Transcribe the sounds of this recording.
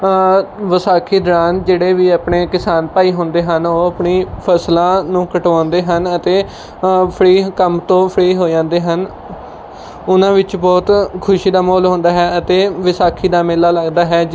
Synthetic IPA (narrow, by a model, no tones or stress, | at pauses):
ʋəsaːkʰiːd̪ɾaːnd͡ʒeːɽeːʋiːəpɳeːkɪsaːnpaːiːɦʊ̃ːnd̪eːɦənoːəpɳiːpʰəslãːnũːkəʈãːnd̪eːɦənət̪eː | pʰəɾiːkəmt̪õːpʰɽiːɦoːd͡ʒãːnd̪eːɦən | ʊnãːʋɪt͡ʃbɔːt̪kʰʊʃiːd̪aːmoːlɦõːnd̪aːɦɛːət̪eːʋəsaːkʰiːd̪aːmɪːlaːləɡd̪aːɦɛː